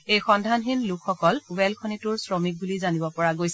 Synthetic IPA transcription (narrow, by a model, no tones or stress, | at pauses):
ejxɔndʱanɦinlukxɔkɔluwɛlkʰɔnitʊɹsɹɔmik̚bulizanibɔpɔɹaɡojsɛ